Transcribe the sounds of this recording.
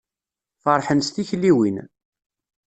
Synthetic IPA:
fəɾˤħənst̪içlːiwin

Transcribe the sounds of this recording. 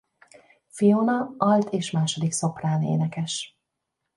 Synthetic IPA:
fijonɒɒlt̪ʰeːʃmaːʃo̞d̪ikso̞praːnḛːnɛkɛʃ

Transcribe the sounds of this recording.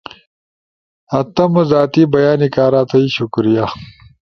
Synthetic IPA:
ɐt̪ɐmuzaːt̪iːbɐjaːnikaːɾaːt̪ʰɐiɕukɾija

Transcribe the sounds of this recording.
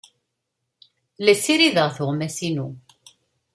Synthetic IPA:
læsiɾiðəʁθʊʁmæsinu

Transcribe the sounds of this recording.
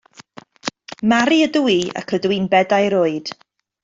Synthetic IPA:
maɾiəduia̰kʰədwinbɛdajɾʊɨd̥

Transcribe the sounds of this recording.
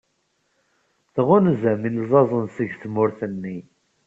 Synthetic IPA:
θʁʊnzæmilzˤɑzˤənsəʝθmʊɾθənːi

